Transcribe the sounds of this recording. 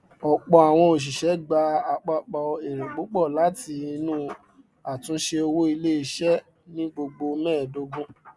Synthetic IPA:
ɔ˨k͡pɔ˨˧a˨w̃ɔ̃˧o˨ʃ̬i˨ʃɛ˨˦ɡ͡ba˧a˨k͡pa˧k͡pɔ˨˧e˨ɾẽ˨ɡ͡bo˨˦k͡pɔ˦˨la˨˦ti˧nũ˦˨ | a˨tũ˧˦ʃe˧o˧wo˦i˧le˦i˧˨ʃɛ˦ | nĩ˦ɡ͡bo˧ɡ͡bo˧mɛ̃ː˦˨do˧˦ɡũ˦

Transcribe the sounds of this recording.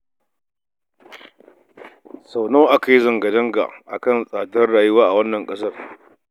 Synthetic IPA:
sa˨wnoː˦ʔa˦ka˨ji˦zɐ˨ŋɡɐ˨dɐ˦ŋɡa̰˨ʔa˨kɐ˦˨nsʼaː˨tɐ˦rɽaː˨jʊ˦waː˦ʔa˨wɐ˦nːɐ˨ŋkʼɐ˦s̬ɐ˦˨r

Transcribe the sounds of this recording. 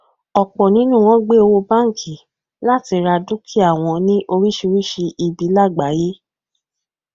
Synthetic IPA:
ɔ˨k͡pɔ˨nĩ˨˦nũ˦˨w̃ɔ̃˦ɡ͡be˦o˧wo˧˦ba˦˨ŋ̩˨kʰi˨ | la˦˨ti˧ɾa˧du˦kʰi˦a˦˨w̃ɔ̃˧nĩ˦ʔo˧ɾi˦ʃi˧ɾi˦ʃi˧ʔi˧˨bi˨˦la˦˨ɡ͡ba˨˦je˦

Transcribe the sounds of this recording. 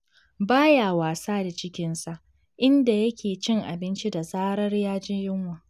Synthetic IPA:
baː˦jaː˨waː˨saː˦da˨t͡ʃɪ˦kʲɪ˦nsa˨ʔ | ʔɪ˦nda˨jɐ˦kʲʰeː˨t͡ʃɪ˦ŋʔa̰˨bɪ˦nt͡ʃi˦da˨saː˦ɾɐ˦rjaː˦d͡ʒɪ˦ɲjʊ˦ŋwaː˨

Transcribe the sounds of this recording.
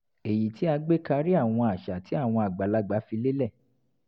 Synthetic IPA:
e˨ji˨ti˨˦a˧ɡ͡be˦ka˧ɾi˦a˦˨w̃ɔ̃˧a˨ʃa˨tʰi˨˦a˦˨w̃ɔ̃˧a˨ɡ͡ba˨la˨˦ɡ͡ba˨˦fi˧le˦lɛ˦˨

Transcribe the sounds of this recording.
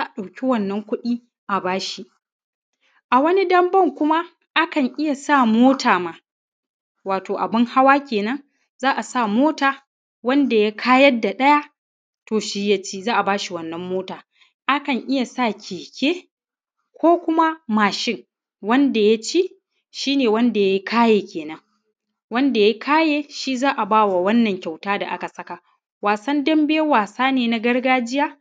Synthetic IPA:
zaː˦ʔa˨ɗa˨wkʲi˦wɐ˦nːɐ˦ŋkʷʊ˦ɗiː˦ | ʔa˨baː˦ʃi˦ʔ | ʔa˨wɐ˦ni˦dɐ˦mbɐ˦˨ŋkʷʊ˦ma˦ | ʔa˦kɐ˨ŋʔɪ˦ja˨sa˦˨moː˦tʰaː˨maː˨ | waː˨toː˨ʔa˨bɪ˦ŋha˦waː˦kʲeː˨nɐ˦ŋ | zaː˦ʔa˨sa˦˨moː˦taː˨ | wɐ˦nda˨ja˦kʰaː˦jɐ˦da˨ɗɐ˦ja˦ | toː˨ʃiː˦ja˦t͡ʃeː˦zaː˦ʔa˨baː˦ʃi˨wɐ˦nːɐ˦mːoː˦taː˨ | ʔa˦kɐ˨ŋʔɪ˦ja˨sa˦˨kʲʰeː˨kʲeː˦ | kʷoː˦kʷʊ˦ma˦maː˨ʃɪ˦ŋ | wɐ˦nda˨ja˦t͡ʃi˦ | ʃiː˦neː˨wɐ˦nda˨ja˦i˦kʰaː˦jeː˨kʲeː˨nɐ˦ŋ | wɐ˦nda˨ja˦kʰaː˦jeː˦ʃi˦zaː˦ʔa˨baː˦wa˨wɐ˦nːɐ˨ŋkʲa˨wtaː˦da̰˨ʔa˦ka˨sɐ˦ka˨ | waː˨sɐ˦ndɐ˦mbeː˦waː˨saː˦neː˨na˨ɡɐ˦ɽɡaː˦d͡ʒɪ˦jaː˦

